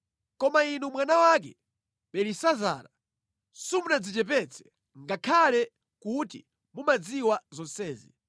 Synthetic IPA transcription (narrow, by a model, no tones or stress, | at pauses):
kɔmainumwanawak̬ɛ̰ | ɓɛlisaza̰ːɾa | sumunad͡zit͡ʃɛp̬ɛt͡sʰɛ̥ | ŋɡakʰalɛ | kutḭ | mumad͡ziwazɔnsɛːzḭ